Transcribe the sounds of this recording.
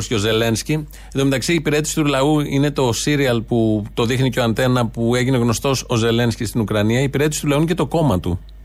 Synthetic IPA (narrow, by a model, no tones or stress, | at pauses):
sceo̞ze̞le̞nsci | nd̪ome̞t̪ɐksiːpiɾe̞t̪isi̥t̪ulɐuine̞t̪o̞siɾiɐlput̪o̞ðixniceo̞ɐnt̪e̞nɐpue̞ʝineɣno̞st̪o̞so̞ze̞le̞nscist̪inukɾɐniɐiːpiɾe̞t̪esi̥t̪ulɐuɲce̞t̪o̞ko̞mɐt̪u